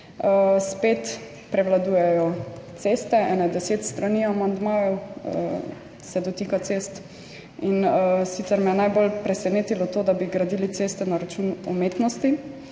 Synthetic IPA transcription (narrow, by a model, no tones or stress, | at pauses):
əspeːt̪ | pɾɛwlad̪uːjɛjɔt̪seːst̪ɛɛ̰nɛd̪ɛseːt̪st̪ɾaniamand̪maːjɔw | sɛd̪ɔt̪iːkat̪sest̪ | insit̪sɛɾmɛjɛnajbolpɾɛsɛneːt̪ilɔt̪oːd̪abiɡɾad̪ilit̪sest̪ɛnaɾat͡ʃunɔmet̪nɔst̪i